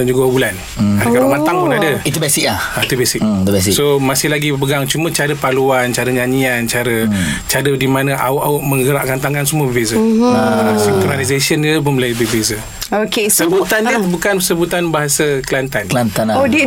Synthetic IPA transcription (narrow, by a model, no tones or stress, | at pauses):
dand͡ʒuɡawobulan | akabaʔmat̪aŋpunadəit̪ubɛsɪk̚lahait̪ubɛsɪkt̪ubɛsɪksomasɪhlaɡip̬əɡaŋt͡ʃumə̃t͡ʃaɾəpaluant͡ʃaɾəɲaɲiant͡ʃaɾət͡ʃadədimanãʔa̰ʊʔaʊʔ̚mə̃ŋɡəɾaʔkant̪aŋkansəmuəbəbezə | siŋt̪əmalizesəniup̬ʊnmulajbəbezə | okesəbut̪anibukansəbut̪anbaɦasəkəlant̪anlant̪anodi